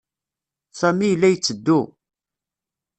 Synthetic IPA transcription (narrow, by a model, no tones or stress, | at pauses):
sæmijəlːæjət͡sːəd̪ːu